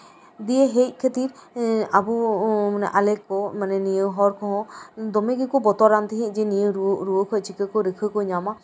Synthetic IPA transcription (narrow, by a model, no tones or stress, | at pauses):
d̪ieɦec̚kʰet̪iɾabumanɛʔalekːɔmanɛnijəɦɔɾkʰɔɦɔ̃d̪ɔmeɡekɔbɔt̪ɔɾant̪iɦẽd͡ʒɛnijəɾuɾuəkʰɔt͡ʃʰikəkɔɾəkʰɯkɔɲama